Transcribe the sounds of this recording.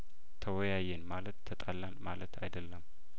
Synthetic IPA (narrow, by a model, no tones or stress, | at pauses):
t̪ʰəwɔjajenmalət̪ʰːət̪ʼalːanmalət̪ʰa̰jd̪əlːəm